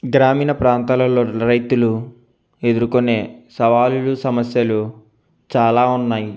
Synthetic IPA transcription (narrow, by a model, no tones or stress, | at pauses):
ɡɾaːmiːnɐpɾaːnt̪aːlɐloɾɐjt̪ulu | e̞d̪uɾukone̞ːsɐʋaːlulusɐmɐsjɐlu | t͡ʃaːlaːunːaːji